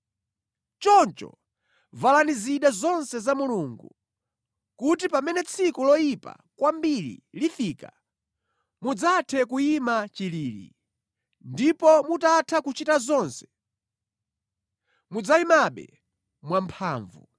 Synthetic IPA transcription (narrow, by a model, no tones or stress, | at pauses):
t͡ʃɔnt͡ʃɔ̰ | valaniziɗazɔnsɛzamuluŋɡṵ | kut̬ipamɛnɛt͡sʰikulɔipa̰ | kwambiɾḭlifika | mud͡zatʰɛkuimat͡ʃiliːlḭ | ndipɔmutatʰakut͡ʃitazɔnsɛ̥ | mud͡zaimaɓɛ̰ | mwampʰaːɱvṵ